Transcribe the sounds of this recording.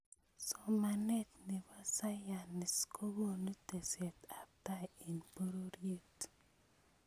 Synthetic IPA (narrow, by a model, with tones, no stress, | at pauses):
sɔ˨ma˨nɛ˦tni˨ba˦sa˦ja˨nːɪ˨skʰo˦wo˦nu˦te˨sɛ˨ta˨ta˦i˨npo˦ɾo˦ɾje˦˨t